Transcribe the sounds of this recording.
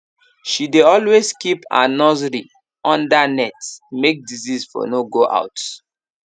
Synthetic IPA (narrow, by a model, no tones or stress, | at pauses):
ʃideɔlweskipã̰nɔzɾi | ɔ̃ndanɛtmek̚dizisfɔ̰noɡoʔa̰ʊt